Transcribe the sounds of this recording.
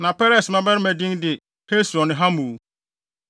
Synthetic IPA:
nã˨pɛ˦ɾɛ˨smã˦bɛ˦ɾɪ˦mæ˨dĩ˦ndɪ˨ | he˦sɾɔ̃˨nɪ̃˨ɦa˦mũ˨˦

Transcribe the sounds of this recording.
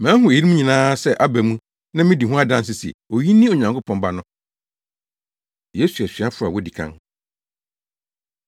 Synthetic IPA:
mæ̃˨˦ɦʊ̃˨e˨i˦ɾmũ˦ɲĩ˨nãː˦sɛ˦ʔa˦bæ˨mũ˦ | nã˦mɪ̃˦di˨ɦʊ̃˦a˦dã˦ns̬ɪ˦˨si˨ḛ˨o˨ji˦nĩ˦o˨ɲã˨ŋkʰo˦pʰɔ̃˨nba˨nʊ̃˦ | je˦su˨æ˨ɕɥa˦fʊ˦ɾa˨wɔ˦di˨kʰã̰˦n

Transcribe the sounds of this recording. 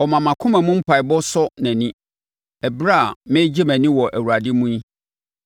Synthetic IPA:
ɔ˨mã˨mã˨kʰʊ̃˦mæ̃˨mũ˦m̩˦pʰa˨i˨bɔ˦sɔ˦næ̃˨nĩ˦ | ɛ˨bɾa˦˨mɪ̃˦d͡ʑe˦mæ̃˨nĩ˦wɔ˨ʔæ˨wu˨ɾa˨dɪ˦mũ˦i˦

